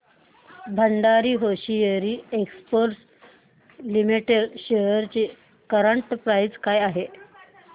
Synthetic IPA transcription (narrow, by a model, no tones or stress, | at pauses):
bʱəɳɖaɾiːɦoɕijeɾiːekspoɾs | limiʈeɖɕejəɾt͡ɕe | kəɾəɳʈpɾajd͡zkajaɦe